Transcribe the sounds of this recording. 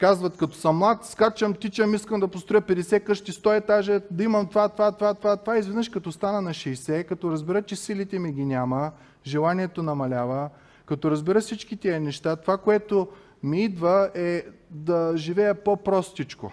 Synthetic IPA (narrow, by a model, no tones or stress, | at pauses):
kazvɐt̪kɐt̪ɔ̥səmːlˠat̪skat͡ʃɐmt̪it͡ʃɐmiskɐmd̪ɐpost̪ɾojəpɛd̪ɛsɛkɤʃt̪ist̪ɔɛt̪aʒɛd̪ɐimɐmt̪ovat̪vat̪ovat̪ovat̪ovaizvɛd̪nəʃkɐt̪ɔst̪anənɐʃɛjsɛkɐt̪ɔɾɐzbɛɾət͡ʃɛsilit̪ɛmiɡʲinʲamə | ʒɛlˠaniɛt̪onɐmɐlʲavə | kɐt̪ɔɾɐzbɛɾəfsit͡ʃkit̪iənɛʃt̪at̪ovakoɛt̪o | miid̪vəɛd̪ɐʒivɛjɐpopɾɔst̪it͡ʃko̰